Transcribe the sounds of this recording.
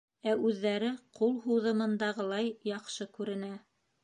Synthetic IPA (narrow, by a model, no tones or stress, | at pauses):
æʉðːæɾɘqulˠɦuwðɤ̆mɤ̆nd̪ɑʁɤlˠɑjjɑqʃɤkʉɾɘ̆næ